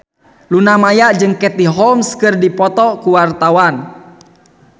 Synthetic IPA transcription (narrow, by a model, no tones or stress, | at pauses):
lunamajaʔd͡ʒɨŋkɛt̪iɦɔlmskɨrdipɔt̪ɔkuwart̪awan